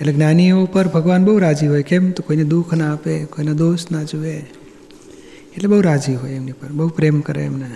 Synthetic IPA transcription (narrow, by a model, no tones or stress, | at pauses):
eleɡnaːniopəɾbʱəɡʋaːnbəɦuɾaːd͡ʒiɦoːjkemt̪okoːined̪ukʰnaːpekoːinad̪oːsnad͡ʒuʋe | eʈlebəɦuɾad͡ʒiɦojemnipəɾbəupɾeːmkəɾḛmne